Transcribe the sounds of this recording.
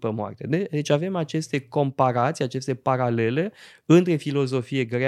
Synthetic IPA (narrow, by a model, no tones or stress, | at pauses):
pəmoa̰rt̪a̰d̪ed̪e̞t͡ʃʲave̞mat͡ʃe̞st̪e̞ko̞mpaɾat̪siat͡ʃe̞st̪e̞paɾale̞le̞ɨnt̪ɾe̞filo̞zo̞fije̞ɡɾe